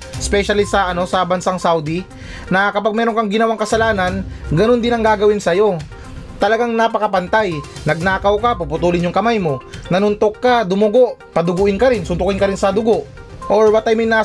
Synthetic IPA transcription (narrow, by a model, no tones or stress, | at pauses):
ʔspɛʃɐlisɐʔɐno̞sɐbɐnsaŋsawd̪i | nɐkɐpaɡ̚mɛːɾo̞ŋkɐŋɡɪnɐwaŋkɐsɐlaːnɐnɡɐno̞nd̪ɪnɐŋɡaːɡɐwɪnsɐjo̞ | t̪ɐlɐɡaŋnapɐkɐpɐnt̪ajnɐɡ̚naːkɐwkapupʊt̪uːlɪnjʊŋkɐmajmo̞nɐnʊnt̪o̞kːad̪ʊmʊɡo̞ʔpɐd̪ʊɡʊʔɪnkɐɾɪnsʊnt̪ʊkɪnkɐɾɪnsɐd̪ʊɡo̞ʔ | ʔoɹbɐt̪ajmojnaː